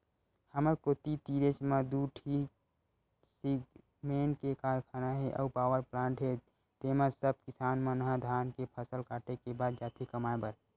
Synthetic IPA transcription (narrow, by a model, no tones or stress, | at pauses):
həməɾkot̪it̪iɾet͡ʃmãd̪uʈʰi | siɡ | menkekaːɾkʰanaɦeʔə̰upaːwəɾplãːɳʈɦe | t̪emãsəb̚kisaːnmanəɦãd̪ʱaːnkepʰəsəlkaʈekebaːd̪̚d͡ʒaːt̪ʰikəmaebəɾ